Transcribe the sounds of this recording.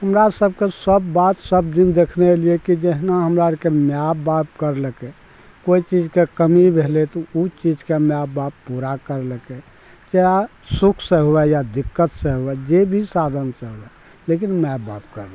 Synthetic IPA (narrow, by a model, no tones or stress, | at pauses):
ɦəmɾasəb̚ʱkesəbːat̪səbd̪ind̪ekʰneliekid͡ʒɛɦnaɦəmɾaɾkemjabːap̚kəɾləke | koit͡ʃid͡ʒkekəmibʱelet̪ɔut͡ʃid͡ʒkemjabːabpuɾakəɾləke | t͡ʃea | sukʰseɦoɛjad̪ikːət̪seɦoɛd͡ʒebʱisad̪ʱənseɦoɛ | lekinmjabap̚kəɾlã